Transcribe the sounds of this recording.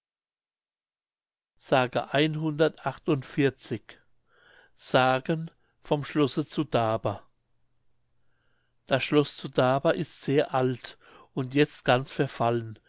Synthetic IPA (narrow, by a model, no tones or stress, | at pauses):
z̥aːɡə̰ʔaɪnɦʊndɐtʔaχtʊntfɪɐt͡sɪç | z̥aːɡən | fɔmʃlɔsət͡sudaːbɐ | d̥asʃlɔst͡sudaːbɐʔɪstz̥eːɐʔalt | ʔʊntjɛt͡stɡ̥ant͡sfɛɐfalən